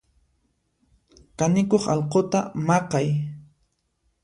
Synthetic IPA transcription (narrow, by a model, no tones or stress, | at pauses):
kanɪkoχɑlqot̪amɑqɑj